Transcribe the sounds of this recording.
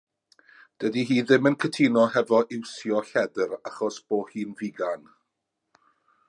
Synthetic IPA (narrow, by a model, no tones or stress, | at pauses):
d̥ədiɦiːðɪmənkʰətʰinɔɦɛvɔʔɪwsjɔɬɛdəraχɔsb̥oːhiːnviɡan